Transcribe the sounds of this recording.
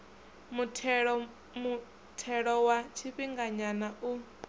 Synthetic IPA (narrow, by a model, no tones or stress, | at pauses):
muɺ | mu | tʰɛɺɔwat͡ʃʰiɸiŋɡaɲanaʔu